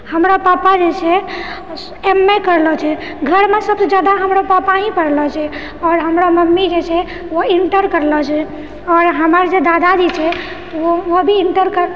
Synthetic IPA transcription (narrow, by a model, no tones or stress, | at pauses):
həmɾapapad͡ʒet͡ʃʰɛ | emːekəɾlɔt͡ʃʰɛ | ɡʱəɾmesəbsed͡ʒad̪aɦəmɾapapaɦĩpəɾlɔt͡ʃʰɛ | ɔɾɦəmɾaməmːid͡ʒet͡ʃʰɛ | oiɳʈəɾkəɾlɔt͡ʃʰɛ | ɔːɾɦəməɾd͡ʒed̪ad̪ad͡ʒit͡ʃʰɛ | t̪ɔoobʱiiɳʈəɾkəɾ